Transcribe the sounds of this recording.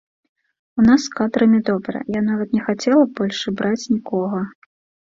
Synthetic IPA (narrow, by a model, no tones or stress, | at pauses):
unaskad̪ɾɨmʲɛd̪ɔbɾɐ̰janavɐt̪nʲɛxat͡sʲɛlˠɐbɔlʲʂɨbɾat͡sʲnʲikɔɣɐ